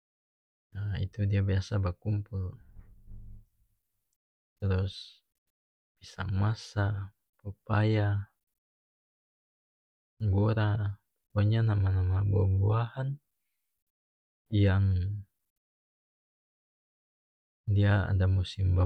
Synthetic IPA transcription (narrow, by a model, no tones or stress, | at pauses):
aḭt̪udiabiasabərkumpul | t̪əɾus | pisa̰ŋmasa | pupaja | ɡɔɾa | puɲanamanamababuahan | jaŋ | diaa̰damusimba